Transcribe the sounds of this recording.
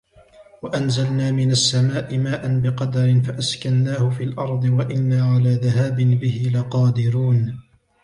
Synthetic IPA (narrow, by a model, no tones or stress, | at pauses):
waʔanzalnaːmɪnasːamaːʔɪmaːʔanbɪqɑd̪aɾɪnfaʔaskanːaːhʊfiːlʔɑɾˤd̪ˤɨwaʔɪnːaːʕalaːðahaːbɪnbɪhɪlaqɑːd̪ɪɾuːn